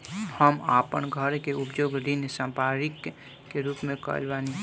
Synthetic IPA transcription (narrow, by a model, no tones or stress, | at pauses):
həmapənɡʱəɾkeʊpd͡ʒoːɡɾinsãmpaːɾɪkː | eɾuːpmẽkə̰lbaːni